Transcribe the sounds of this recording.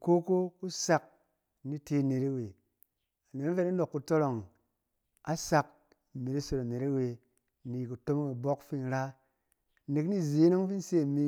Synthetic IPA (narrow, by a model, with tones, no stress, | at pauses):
ko˦ko˦ku˦sa˧k̚ | ni˦te˦˨ne˨ɾe˦we˨ | a˨ne˨na˦fe˦ta˦no˨kːu˧to˦lo˨ŋ | a˦sa˧k̚ | me˨ɾi˦so˧ɾa˨me˨ɾe˦we˧ | ni˨ku˨to˦m˦ŋi˨bo˦kfi˦n˦ɾa˦ | ne˨kni˦˨ze˨˦no˦ŋ˦fi˦n˦se˦˨mi˧